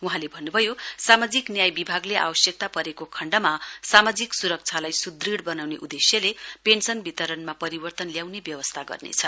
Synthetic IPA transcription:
uɦãlebʱʌnːubʱʌjosamad͡ziknjajbibʱaɡleʔa̰bʌsjʌk̚t̪apʌɾekokʰʌɳɖʌmasamad͡ziksuɾʌk̚t͡sʰalajsud̪riɽbʌnawneʔud̪esjʌlepensʌnbʱit̪ʌɾʌnmapʌɾibʌrt̪ʌnljawnebjʌwʌst̪ʰaɡʌ̰rnḛt͡sʰʌ

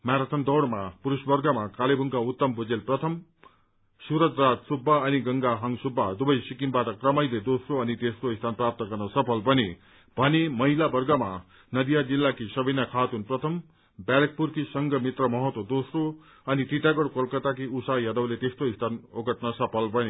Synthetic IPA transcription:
maɾat̪ʰʌnd̪ʌwɽmapuɾusbʌrɡʌmakalebʱuŋkaut̪ːʌmbud͡zelprʌt̪ʰʌm | suɾʌd͡zrad̪subːaʌniɡʌŋɡaɦʌŋsubːad̪ubʌjsikinbaʈʌkrʌmʌjled̪osroʌnit̪est̪oist̪ʰanprap̚t̪ʌɡʌrnʌsʌpʰʌlbʌne | bʱʌnemʌɦilabʌrɡʌma | nʌd̪ijad͡zilːakisʌbinakʰat̪unprʌt̪ʰʌm | bjalek̚purkisʌŋɡʌmit̪rʌmʌɦʌt̪wʌd̪osro | ʌnit̪iʈaɡoɽkolkʌt̪akiusajad̪ʌwlet̪est̪oist̪ʰanoɡʌʈnʌsʌpʰʌlbʱʌne

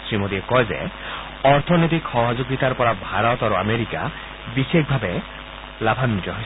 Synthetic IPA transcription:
sɾimod̪iekɔed͡ʒḛ | ɔɾt̪ʰɔnot̪̬ikxɔɦɔd͡ʒoɡit̪aɾpɔɾabʱaɾɔt̪aɾuameɾika | bisekbʱabe | labʱanid͡ʒɔɦ

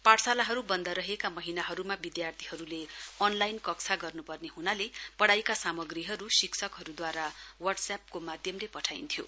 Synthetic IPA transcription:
paʈsalaɦʌɾubʌnd̪aɾʌɦekamʌɦinaɦʌɾumabid̪jart̪ʰi̥ɦʌɾuleʌnlajnkʌksʰaɡʌrnupʌrneɦunalepʌɽajkasamʌɡriɦʌɾusiksʰʌkɦʌɾud̪waɾawʌʈsap̚komad̪ʱjʌmlepʌʈʰajnt̪ʰjo̰

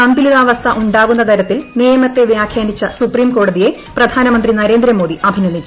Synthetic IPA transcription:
ɐnd̪iliðaːʋɐst̪ʰɐʔuɳɖaːɣunːɐt̪ʰɐɾɐt̪ːilnijɐmɐt̪ːe̞ʋjaːkʰjaːnit͡ɕːɐsupriːmko̞ːɽɐðije̞ | prɐd̪ʱaːnɐmɐnd̪rinɐɾe̞ːnd̪ɾɐmo̞ːd̪iʔɐbʱinɐnʱːit͡ɕː

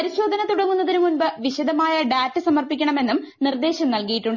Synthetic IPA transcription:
pɐɾiɕo̞ːd̪ʱɐnɐt̪uɽɐŋːunːɐðinumunbɐʋiɕɐd̪ɐmaːjɐɖaːtːɨsɐmɐrpikʲːɐɳɐme̞nːumnird̪e̞ːɕɐmnɐlkijiʈːuɳɖ

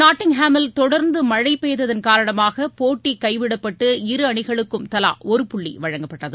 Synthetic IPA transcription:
naːʈːɪŋɦaːmɪlt̪ɔɽɐɾnd̪ɯmɐɻɐɪpːejðɐðɪnkaːɾɐɳɐmaːɣɐpoːʈːikːɐɪʋɪɽɐpːɐʈːɯɪɾɯɐɳɪɣɐɭɯkːɯmt̪ɐla̰ːɔɾɯpʊɭːḭʋɐɻɐŋɡɐpːɐʈːɐðɯ

